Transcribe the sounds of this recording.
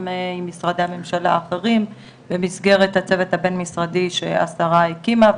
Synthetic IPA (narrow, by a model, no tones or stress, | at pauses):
meimːisʁad̪ejhame̞mʃala̰ːχe̞ʁim | bemisɡe̞ʁethat͡se̞vet̪habe̞nmisʁadiʃḛa̰saʁaekima